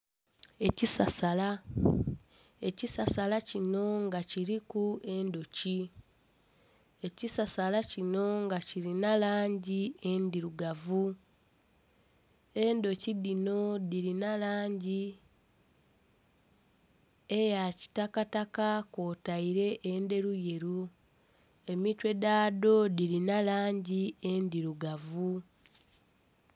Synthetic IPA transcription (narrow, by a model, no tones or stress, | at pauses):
e̞cisasala | e̞cisasalacino̞ŋɡaciɾikuʔe̞ndo̞ci | e̞cisasalacino̞ŋɡaciɾinalaːɲɟie̞ndiɾuɡavu | e̞ndo̞cidino̞diɾinalaːɲɟi | ejaci̥takatakako̞ːtaiɾe̞ʔeːnde̞ɾuje̞ɾu | e̞mitwe̞daːdo̞diɾinalaːɲɟie̞ndiɾuɡavu